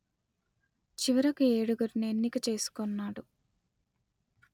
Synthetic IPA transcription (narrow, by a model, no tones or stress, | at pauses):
t͡ʃiʋɐɾɐkue̞ːɽuɡɐɾinienːikɐt͡ʃe̞ːsu̥konːaːɽu